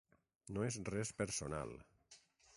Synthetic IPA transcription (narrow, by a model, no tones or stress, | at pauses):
noezrɛspəɾsona̰lˠ